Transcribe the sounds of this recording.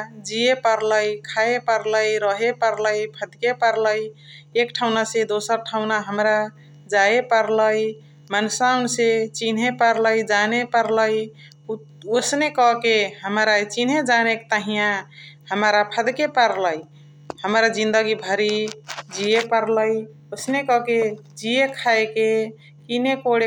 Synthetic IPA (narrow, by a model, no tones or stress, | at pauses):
d͡ʒiepəɾləjkʰaepəɾləjɾəɦepəɾləjpʰəd̪kepəɾləj | ekʈʰaʊnasẽd̪osəɾʈʰaʊnaɦəmɾa | d͡ʒaepəɾləj | mənsaunset͡ʃinɦepəɾləjd͡ʒanepəɾləj | osnekɔkeɦəmɾat͡ʃinɦed͡ʒanek̚t̪əɦijãhəmɾapʰəd̪kepəɾləj | həmɾad͡ʒĩnd̪əɡibʱəɾid͡ʒijepəɾləj | osnekɔke | d͡ʒijekʰaeke | kinekoɽe